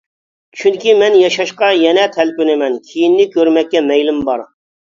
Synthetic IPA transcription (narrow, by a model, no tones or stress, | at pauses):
t͡ʃʰyŋkʲimɛnjɑʃɑʃqɑjɛnɛt̪ʰɛlpynɪmɛnkʲʰijinːɪkʲʰøɾmɛkʲːɛmɛjlymbɑɾ